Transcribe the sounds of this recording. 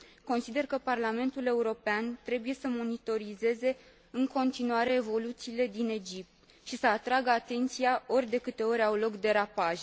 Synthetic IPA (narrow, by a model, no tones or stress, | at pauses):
ko̞nsid̪e̞rkəparlame̞nt̪ule̞uɾo̞peant̪ɾe̞buje̞səmo̞nit̪o̞ɾize̞ze̞ | ɨŋko̞nt̪inuaɾe̞ːvo̞lut̪siːle̞d̪ine̞d͡ʒip̚t̪ | ʃisəat̪ɾaɡəat̪e̞nt̪siao̞rʲd̪e̞kɨt̪e̞o̞ɾʲawlo̞kd̪e̞ɾapaʒ